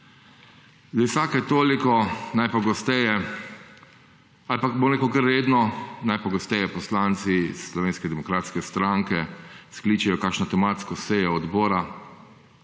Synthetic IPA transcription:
zausakɛt̪oːlikɔnajpɔɡɔst̪ɛjɛ | alpakbonɛkokaɾʋeːd̪nɔnajpɔɡɔst̪ɛjɛpɔslant̪sisːlɔʋeːnskɛd̪ɛmɔkɾaːt̪skɛst̪ɾãŋkɛskliːt͡ʃɛjɔkaːkʃnat̪ɔmaːt̪skɔsejaɔd̪bɔːɾa

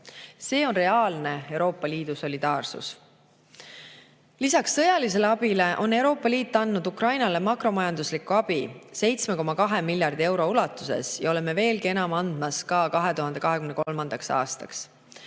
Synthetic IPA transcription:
se̞ːo̞nre̞ɑːlne̞e̞wɾo̞ːpˑːɑliːd̪̥uso̞lʲid̪̥ɑːrsṵs | lisɑksːɤ̞jɑlis̬e̞leɑb̥ile̞ʔo̞ne̞wɾo̞ːpːˑɑliːt̪ːˑɑnːud̪ukrɑjnɑle̞mɑkro̞mɑjɑnd̪uslikːuɑb̥ise̞jt̪smeko̞mɑkɑɦe̞milʲjɑrd̪ie̞wɾo̞ulɑt̪ːˑuse̞̰sjɑo̞le̞meve̞ːlkie̞nɑmɑnd̪̥mɑskɑkɑɦe̞t̪uɦɑnd̪̥e̞kɑɦe̞kymne̞kolmɑnd̪̥ɑksɑ̰ːst̪ɑ̰ks

